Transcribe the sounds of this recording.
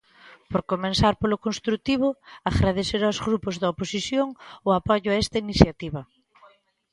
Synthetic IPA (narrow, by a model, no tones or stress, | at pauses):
poɾkomẽnsaɾpolʊkonst̪ɾut̪iβ̞ʊaɣɾað̞eseɾawzɣɾupʊzðɐoposisjoŋʊapɔʎʊaɛst̪ɐiniθjat̪iβɐ